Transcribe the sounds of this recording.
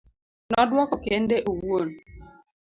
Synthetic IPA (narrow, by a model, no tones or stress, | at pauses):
nɔdwɔkɔkendeʔowuon